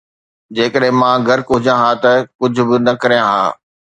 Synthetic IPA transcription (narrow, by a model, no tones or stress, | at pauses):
d͡ʑeːkəɗɦɪ̃mãːɡʱɐɾkɦʊd͡ʑjãɦaːt̪ɐkʊd͡ʑʱʊ̆bɪnɐkɐɾijãɦa̰ː